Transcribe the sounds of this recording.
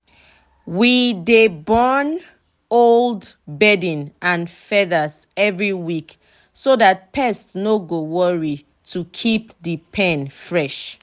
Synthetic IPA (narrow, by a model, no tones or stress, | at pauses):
widebɔn | oldbɛdĩnãnfɛðəsɛvɹiwik | soðat̚pʰɛstnoɡowɔɹi | tʰukʰipðəpʰɛ̃nfɹɛʃ